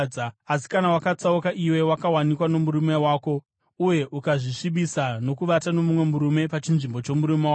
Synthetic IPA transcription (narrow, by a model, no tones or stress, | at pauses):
aasi̥kanawakat͡saukaʔiwe̞wakawanikwano̞muɾumewaːko̞ | uje̞ʔukaʐiʂiɓisano̞kuʋatano̞mumwemuɾume̞pat͡ʃinʐimbo̞t͡ʃo̞muɾumewa